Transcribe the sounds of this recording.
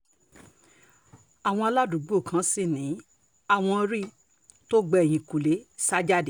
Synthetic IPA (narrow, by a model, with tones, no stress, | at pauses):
a˨w̃ɔ̃˧a˧la˦du˨˦ɡ͡bo˦˨kʰã˧˦si˦˨nĩ˨˦ | a˦˨w̃ɔ̃˧ɾi˦ | to˦ɡ͡bɛ˦˨j̃ĩ˨ku˨le˨˦sa˦d͡ʒa˦˨di˨